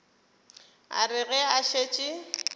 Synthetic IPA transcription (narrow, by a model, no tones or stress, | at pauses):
a̰rɪɣɛaʃet͡ʃʼɪ